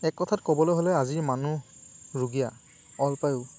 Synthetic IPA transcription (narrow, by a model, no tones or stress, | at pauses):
ɛkːɔtʰatkɔbɔlojɦolɛaziɹmanuɹuɡija | ɔlpajʊ